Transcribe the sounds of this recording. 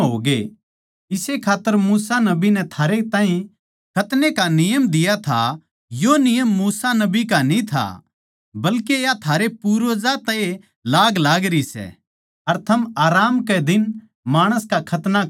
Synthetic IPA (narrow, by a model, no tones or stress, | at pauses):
ɦo̰ːɡḛ | ɪsekʰaːt̪ːəɾmuːsanɐbinɛt̪ʰaːɾet̪ãːɦĩ | kʰɐt̪nekanɪjəmd̪ɪjat̪ʰa̰ | jonɪjəmːuːsanɐbikanĩt̪ʰa̰ | bɐlkejat̪ʰaːɾepuːɾʋzat̪ɛːe | laːɡlaːɡɾisɛ̰ | ɐɾt̪ʰɐmaːɾaːmkɛd̪ɪn | maːɽ̃əskakʰɐt̪na